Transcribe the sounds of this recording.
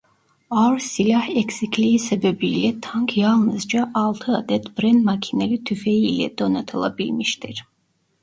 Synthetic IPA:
aɾsilʲahɛksikʰliisɛbɛbiːlɛt̪ʰaŋkʰjɑlˠnɯzd͡ʒaʔɑlˠt̪ʰɯad̪ɛt̪bɾɛnd̪makʰinɛlit̪ʰyfɛjiːlɛ̰d̪onat̪ʰɯlˠa̰bilmiʃt̪iɾ

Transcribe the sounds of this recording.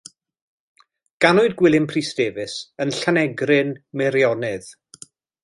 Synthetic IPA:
ɡ̥anʊɨdɡwɪlˠɪmpʰriːsd̥eːvɪsənɬanɛɡrɪnmɪɾjɔnɪð̥

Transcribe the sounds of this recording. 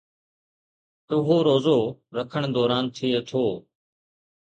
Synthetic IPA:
t̪ʊɦoːɾoːzoːɾəkʰəɳ̃d̪ɔːɾaːnt̪ʰɪeːt̪ʰoː

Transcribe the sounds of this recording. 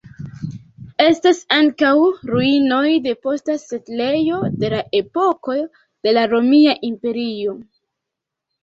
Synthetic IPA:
e̞stasaŋkawɾuino̞jde̞po̞stasetle̞jo̞de̞laʔe̞po̞ko̞ | d̥e̞laɾo̞miaʔimpe̞ɾio̞

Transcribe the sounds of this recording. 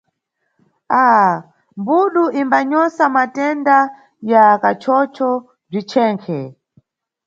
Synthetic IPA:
aː | mbuɗuʔimbaɲɔsamatɛnda | jakat͡ʃʰɔt͡ʃʰɔ | b͡ʐit͡ʃʰɛːŋkʰɛ

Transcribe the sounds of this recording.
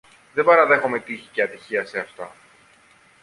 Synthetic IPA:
ðe̞bɐɾɐðe̞xo̞me̞t̪içi̥ceɐt̪içiɐse̞ɐft̪ɐ̰

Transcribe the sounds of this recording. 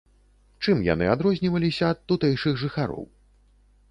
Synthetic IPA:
t͡ʂɨmja̰nɨad̪ɾɔzʲnʲivɐlʲisʲɐːt̪ːut̪ɛjʂɨɣʐɨxaɾɔ̰w

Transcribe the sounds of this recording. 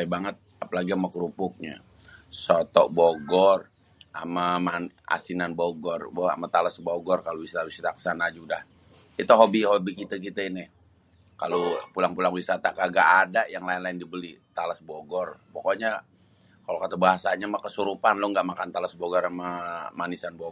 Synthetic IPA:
jbaŋət̪̚apalaɡiamakɾupʊk̚ɲa̰ | sot̪ɔboɡɔr | a̰maman | a̰sinanboɡɔrba̰mat̪alasboɡɔrkalowisɾawisiɾakə̥sanad͡ʒudah | it̪uɦobiɦobikit̪akit̪ainɪ | kalopulaŋpulaŋwisat̪akaɡaʔːdajaŋlaɪnlaɪndibəlit̪alasboɡɔrpokoɲa | kalokat̪abaɦasaɲamakəsuɾupanlʊŋɡaʔmakant̪alasboɡɔɾamamanisanbo

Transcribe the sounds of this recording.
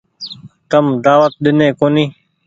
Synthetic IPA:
t̪əmd̪aːʋət̪̚ɗɪnẽːkoːniː

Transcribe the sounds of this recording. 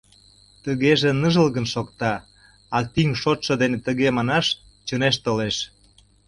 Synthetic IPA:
t̪əɣeʒenəʒəlɣənʃokt̪ɑ | ɑk̚t̪iŋʃot̪ʃɤ̆d̪enet̪əɣemɑnɑʃ | t͡ɕəneʃt̪oleʃ

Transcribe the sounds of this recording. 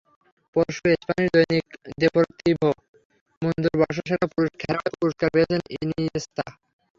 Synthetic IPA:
poɾʃuespaniɾd̪ojnikd̪epoɾt̪ibʱo | mond̪uɾbɔʃ̬oʃaɾapuɾoʃkʰɛɾaepuɾoʃkaɾpejet͡ɕʰeniniest̪ʰa

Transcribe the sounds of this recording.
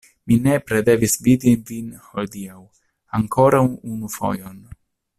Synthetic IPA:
mine̞pɾe̞d̪e̞visvid̪ivinhold̪iaw | aŋko̞ɾawunufo̞̰jon

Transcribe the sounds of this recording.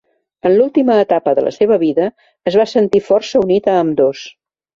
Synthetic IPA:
ənlulˠt̪iməːt̪apəðə̰lə̰seβəβiðəː | zβasənt̪ifɔrsəunit̪əːmd̪os

